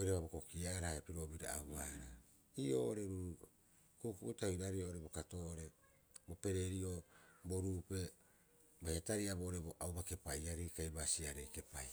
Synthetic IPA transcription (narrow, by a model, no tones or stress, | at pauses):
ojɾaβabokokiaɾahaepiɾo̞biɾa̰awbaɾa | ioːʔoɾe̞ɾuɾu | kukuʔutahiɾaɾiooɾe̞bo̞kato̞ʔoɾe̞ | bo̞pe̞ɾe̞ɾioboɾuːpe̞ | bajataɾiabooɾe̞bo̞ʔawbake̞pajaɾikajbasiaɾejke̞paj